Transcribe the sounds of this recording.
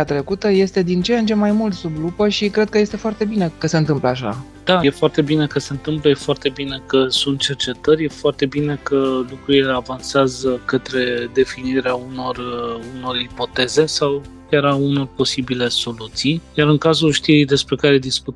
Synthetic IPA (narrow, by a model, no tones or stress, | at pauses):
at̪ɾe̞kut̪əje̞st̪e̞d̪int͡ʃejənt͡ʃe̞majmult̪sublupəʃikɾe̞d̪̚kəje̞st̪e̞foart̪e̞bine̞kəse̞ɨnt̪ɨmpləaʃa̰ | d̪̥ajefoart̪e̞bine̞kəse̞ɨnt̪ɨmpləje̞foart̪e̞bine̞kəsunt̪̚t͡ʃe̞rt͡ʃe̞t̪ərʲjefoart̪e̞bine̞kəlukɾuile̞avanseazəkət̪ɾe̞d̪e̞finiɾeauno̞runo̞ripo̞t̪e̞ze̞sawkʲaɾauno̞rpo̞sibile̞so̞lut̪sijjaɾɨŋkazulʃt̪iɾid̪e̞spɾe̞kaɾed̪isku